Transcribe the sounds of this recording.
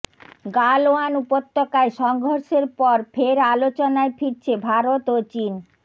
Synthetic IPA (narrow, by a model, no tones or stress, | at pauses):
ɡaloanupot̪ʰːokaeʃɔŋɡʱoɾʃeɾpɔɾfʰeɾalot͡ɕonaefiɾt͡ɕʰebʱaɾot̪ot͡ɕin